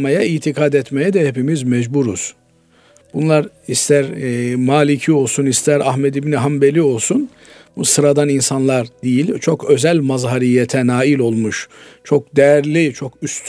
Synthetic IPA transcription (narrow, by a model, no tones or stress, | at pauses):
majaiːt̪ʰikʰaːd̪ɛt̪mejɛd̪ɛhepimizmɛd͡ʒbuɾuz̥ | b̥unlˠaɾ | ist̪ʰæɾmaːlʲicʰio̞lˠsunist̪ʰæɾaɦmɛd̪ibniɦambe̞lʲio̞lˠsun | busɯɾad̪aninsanlˠaɾd̪ijilʲt͡ʃʰo̞kø̞zælʲmazɦaɾijet̪ʰɛnaːilʲo̞lˠmuʃt͡ʃʰo̞k̚d̪ɛjæɾlʲit͡ʃʰo̞kyst̪ʰ